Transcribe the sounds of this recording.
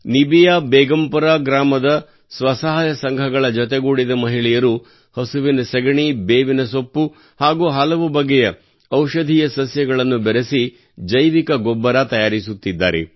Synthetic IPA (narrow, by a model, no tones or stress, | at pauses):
nibijaːbɛːɡɐmpɐɾaːɡɾaːmɐd̪ɐ | sʋɐsɐɦaːjɐsɐŋɡʱɐɡɐɭɐd͡ʒɔt̪̬ɛɡuːɽid̪ɐmɐɦiɭɛjɐɾu | hɐsuʋinɐsɐɡɐɳibeːʋinɐsopːu | haːɡuːɦɐlɐʋubɐɡːɛjɐ | ɐwʃɐd̪ʱijɐsɐsjɐɡɐɭɐnːubɛɾesi | d͡ʒɐjʋikɐɡɔbːɐɾat̪ɐjaːɾisut̪ːid̪ːa̰ːɾḛ